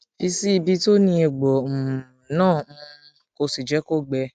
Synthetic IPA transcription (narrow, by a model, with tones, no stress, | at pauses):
i˧si˦i˧bi˧to˦nĩ˧e˨ɡ͡bɔ˨m̩˨nãː˦˨m̩̃˦˧ | ko˧si˨d͡ʒɛ˨˦ko˦˨ɡ͡bɛ˧